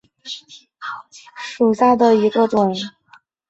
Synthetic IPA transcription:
ʂu˨˩ɕja˥˩d̪ə˩i˧˥ɡə˧ʈ͡ʂʊ˨˩˦ŋ

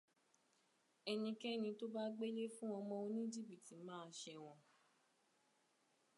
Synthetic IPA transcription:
ɛ˧nĩ˧kɛ˦nĩ˧to˦ba˦ɡ͡be˦le˦fũ˦w̃ɔ̃˧mɔ̃˧o˧nĩ˦d͡ʒi˦˨bi˨ti˨mãː˦˧ʃɛ˧w̃ɔ̃˧

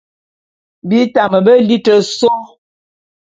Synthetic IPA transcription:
bi˦ta˨mə˨bə˦li˦tə˨so˦

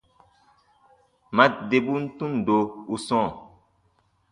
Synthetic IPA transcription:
ma˦de˨bu˦n̩˦tũ˦n˨do˨u˦sɔ̃ː˦˨

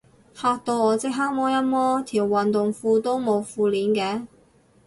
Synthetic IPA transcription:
haː˧k̚t̪o˧wɔː˨˧t͡sɪ˥k̚ɦaː˥k̚mɔː˥jɐ˥t̚mɔː˥t̪ʰiː˨˩wːɐ˨nt̪ʊ˨ŋfuː˧t̪o˥wmo˨˧wfuː˧liː˨˥nkɛː˧˥

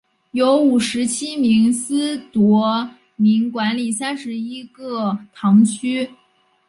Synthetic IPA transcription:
jo˧˥ʊu˨˩ʂɻ̩˧˥t͡ɕʰi˥mi˧˥ŋsɹ̩˥t̪wɔ˧˥ | mi˧˥ŋkwa˧˥nli˨˩sa˥nʂɻ̩˧˥i˥ɡɤ˥˧t̪ʰɑ˧˥ŋt͡ɕʰy˥

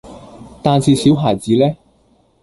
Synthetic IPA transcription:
t̪aː˨˧nsiː˨˧siː˨˥wɦaː˨˩jt͡siː˨˥lɛː˥

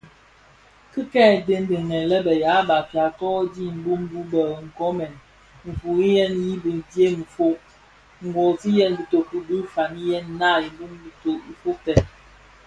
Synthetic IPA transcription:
kɨ˦kɛː˦˨de˦n˦de˨ŋɛ˨lɛ˦bɛ˨ja˨˦ba˨fja˨kɔ˦di˦˨m̩˨bu˦m˦bu˦bə˨ŋ̩˨kɔ˦mɛ˨n | m̩˨fu˨i˦jɛ˦nji˦bi˨n˨dje˦ŋ̩˨fo˦ʔ | ŋ̩˨ɡwɔ˨ti˦jɛ˦nbi˨to˨pu˨bi˦fa˨ni˦jɛ˦n˦na˦˨i˨m˦bu˦mbi˨to˨i˦fo˦tɛ˨

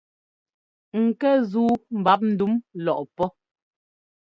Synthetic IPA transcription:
ŋ̩˨kɛ˦zuː˦m̩˨ba˨˦p̚n̩˦du˨˦mlɔ˨ʔpɔ˦

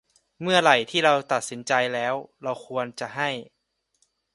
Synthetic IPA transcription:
mɯ˥˩ɐla˨˩jt̪ʰiː˥˩ɾa˧wt̪a˨˩t̪̚si˩˦nt͡ɕa˧jlɛː˦˥wɾa˧wxʰu˧ənt͡ɕa˨˩ɦa˥˩j

